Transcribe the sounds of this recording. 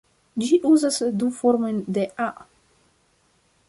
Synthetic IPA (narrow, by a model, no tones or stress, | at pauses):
d͡ʒiʔuzasd̪ufoɾmo̞jnd̪eʔa